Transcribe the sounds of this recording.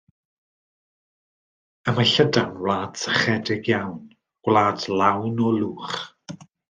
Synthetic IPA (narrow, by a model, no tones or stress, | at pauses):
əmaɬədanwlˠaːd̥səχɛdɪɡjawn | ɡ̥wlˠaːdlawnɔlˠuːχ